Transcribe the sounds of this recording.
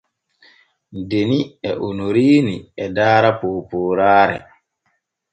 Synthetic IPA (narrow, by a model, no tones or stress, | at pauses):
deniɛʔonoɾiːniɛdaːɾapoːpoːɾaːɾɛ̰